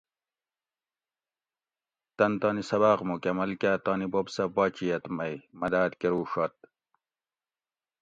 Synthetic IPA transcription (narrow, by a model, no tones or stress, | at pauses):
t̪ɐnt̪ɑːnisɐbaːqmukʲɐmɐlkaːt̪aːnibobsɐbaːt͡ɕijɐt̪mɐjmɐd̪aːt̪keɾuːʂat̪̚